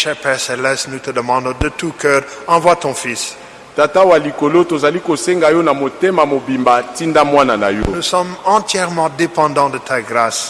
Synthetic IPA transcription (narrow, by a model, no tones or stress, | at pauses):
ʃɛpɛsɛlɛsnut̪əd̪əmɑ̃d̪d̪ət̪ukœʁɑ̃vwat̪ɔ̃fis | tatawalikolotozalikoseŋɡajonamotemamobimbatindamwananajonusɔmɑ̃t̪jɛʁmɑ̃d̪epɑ̃d̪ɑ̃d̪ət̪ʰaɡʁas